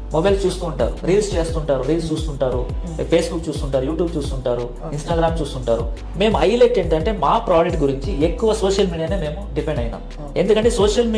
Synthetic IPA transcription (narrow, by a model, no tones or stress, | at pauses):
mɔbɐjlt͡ʃuːst̪uːɳʈa̰ːɾṵɾiːlst͡ʃe̞ːst̪uɳʈaːɾuɾiːlst͡ʃuːst̪uɳʈaːɾupʰe̞ːsbukt͡ʃuːst̪uɳʈaːɾujuːʈjuːb̚t͡ʃuːst̪uɳʈaːɾu | insʈaːɡɾaːmt͡ʃuːst̪uɳʈaːɾu | me̞ːmuɐjleʈːeːɳʈɐɳʈe̞ːmaːpɾaːd͡ʒek̚ʈ̚ɡuɾiɲt͡ʃiekːuʋɐsoːʂɐlmiːɽijaːneːme̞ːmuɖipʰeɳɖɐjna̰ːm | e̞nd̪ukɐɳʈe̞ːsoːʂɐlmi